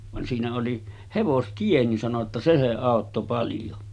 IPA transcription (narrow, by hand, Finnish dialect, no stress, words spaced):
ʋɑn siːnæ oli heʋostie nin sɑno tːɑ se se ɑˑotːo pɑljo